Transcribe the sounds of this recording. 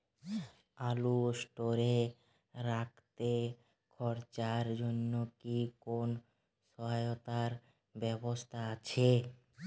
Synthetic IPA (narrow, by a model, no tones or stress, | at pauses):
alusʈoɾe | ɾak̚ʰt̪e | kʰɔɾt͡ɕaɾd͡ʑonːokikon | ʃɔɦajot̪aɾ | bɛbost̪ʰaat͡ɕʰe